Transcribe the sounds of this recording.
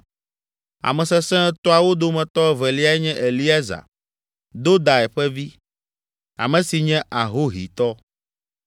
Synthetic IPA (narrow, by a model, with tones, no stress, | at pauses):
a̰˨mɛ̃˨sɛ˦sɛ̃˦t̪ɔ˦a˨wo˦d̪o˦mɛ̃˨t̪ɔ˦ɛ˦˨vɛ˨li˦a˨ɛ˦ɲɛ̃˦ʔe˨li˦a˦za̰˨ | d̪o˦d̪a˨ɛ˨ɸɛ˦vi˦ | a̰˨mɛ̃˨si˨ɲɛ̃˦ʔa˨ɦo˦ɦḭ˨t̪ɔ˦